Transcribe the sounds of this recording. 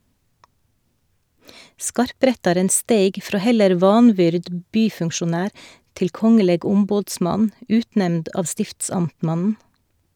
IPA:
ˈskɑɾˌpɾɛtɑɾən ˈsteɪɡ ˈfɾoː ˈhɛləɾ ˈʋɑːnˌʋʏɾd m ˈbyːfʉŋʃʊˌnæːɾ ˈtɪl ˈkɔŋəleːɡ ˈʊmboːdˌsmɑn ˈʉːtˌnɛmnd ˈɑːʋ ˈstɪftsɑmtˌmɑnn̩

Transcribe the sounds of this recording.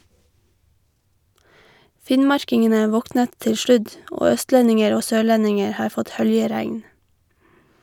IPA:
ˈfɪnmɑɹkɪŋənə ˈʋɔknət ˈtɪl ˈʃlʉd ˈoː ˈœstlɛnɪŋəɾ ˈoː ˈsøːˌɭɛnɪŋəɹ ˈhɑːɹ ˈfɔt ˈhœljəˌɾæŋn

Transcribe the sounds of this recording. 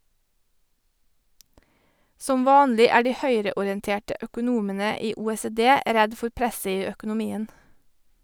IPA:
ˈsɔm ˈʋɑːnlɪ ˈæː ˈɖiː ˈhœʏɾəʊɾɪɛnˌteːʈə ʔœkʊˈnuːmənə ˈiː ˌuːeːseːˈdeː ˈɾɛd ˈfʊɾ ˈpɾɛsə ˈiː ˌœkʊnʊˈmiːən

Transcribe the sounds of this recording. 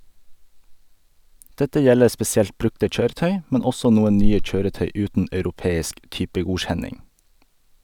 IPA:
ˈdɛtə ˈjɛləɾ spɛsɪˈɛlt ˈbɾʉktə ˈc͡çøːɾəˌtœʏ ˈmɛn ˈɔsɔ ˈnuːən ˈnyːə ˈc͡çøːɾəˌtœʏ ˈʉːtən ʔɑʉɾʊˈpeːɪsk ˈtʏpəˌɡuːc͡çɛnɪŋ

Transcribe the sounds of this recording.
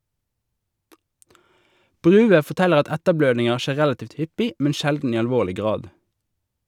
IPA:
ˈbʁʉːʋə fɔʁˈtɛləʁ ˈɑt ˈɛtəˌbløːdnɪŋəʁ ˈʃeː ˈʁælɑˌtiːʋt ˈhʏpɪ ˈmɛn ˈʃɛldn̩ ˈiː ɑlˈʋoːʁlɪ ˈɡʁɑːd

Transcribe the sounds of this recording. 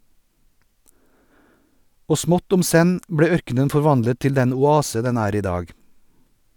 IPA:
ˈoː ˈsmɔt ˈʊm ˈsɛn ˈbɽeː ˈœɾkənən fɔɾˈʋɑndlə ˈtɪl ˈdɛn ʊˈɑːsə ˈdɛn ˈæːɾ ˈiː ˈdɑːɡ

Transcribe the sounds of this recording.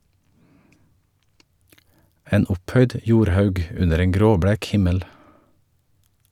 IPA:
ˈeːn ˈʊpˌhœʏd ə ˈjuːɾˌhɑʉɡ ˈʉnəɾ ˈeːŋ ˈɡɾoːˌbɽæːk ˈhɪməl

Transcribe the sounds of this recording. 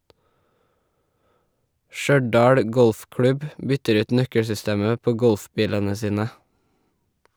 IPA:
ˈʃœɖɑːɽ ˈɡɔlfˌklʉb ˈbʏtəɾ ˈʉːt ˈnœkəɽsʏˌsteːmə ˈpoː ˈɡɔlfˌbiːlənə ˈsiːnə

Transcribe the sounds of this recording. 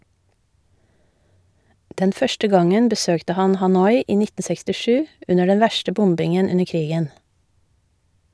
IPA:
ˈdɛn ˈfœʃtə ˈɡɑŋən bəˈsøːktə ˈhɑn hɑˈnɔʏ ˈiː ˈnɪtn̩ sɛkstɪˈʃʉː ˈʉnə ˈɖɛn ˈʋæʃtə ˈbʊmbɪŋən ˈʉnəɾ ˈkɾiːɡən

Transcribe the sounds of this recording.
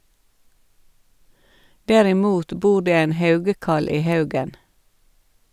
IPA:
dɛɾɪˈmuːt ˈbuː ˈɖeː ˈeːn ˈhɑʉɡəˌkɑl ˈiː ˈhɑʉɡən

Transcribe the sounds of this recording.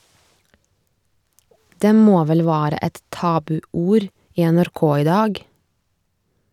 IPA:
ˈdeː ˈmoː ˈʋɛl ˈʋæːɾə ˈɛt ˈtɑːbʉˌuːɾ ˈiː ɛnæɾˈkoː ˈiː ˈdɑːɡ

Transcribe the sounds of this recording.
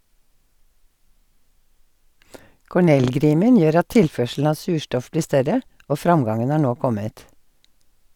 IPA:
kɔˈɳɛlˌɡɾiːmən ˈjøːɾ ˈɑt ˈtɪlˌfœʃl̩n̩ ˈɑː ˈsʉːˌʃtɔf ˈbliː ˈstœɾə ˈʔoː ˈfɾɑŋˌɡɑŋən ˈhɑː ˈɳoː ˈkɔmət

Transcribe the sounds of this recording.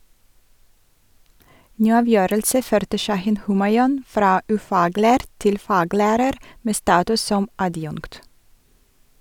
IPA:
ˈnyː ˈɑːˌʋjøːɾəlsə ˈføːɾtə ˈʃɑhɪn ˈhʉːmɑɪɔn ˈfɾɑː ʉˈfɑːˌɡlæːɾ ˈtɪl ˈfɑːˌɡlæːɾəɾ ˈmeː ˈstɑːtʉs ˈsɔm ɑˈdjʊŋkt

